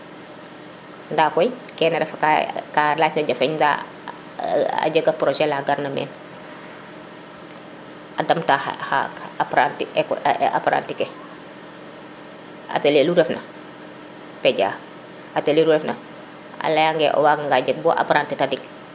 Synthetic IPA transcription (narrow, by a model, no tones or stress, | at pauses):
ndaːkɔj | kɛːnɐɾɛfkakalaːcnɐɟofɛɲza̰ | a̰ɟɐɡɐpɾoʃɛlaɡaɾnɐmɛ̰ːn | adɐmtaha̰pɾantika̰paɾa̰ːntikɛ | ʔa̰teleluɾɛfnʔɐ̰ | pɛɟa̰ː | ateleːluɾɛfnɐ | a̰lɐjaŋɡɛʔo̰waːɡaŋɡaɟɐɡ̚bɔʔa̰paɾantitadik̚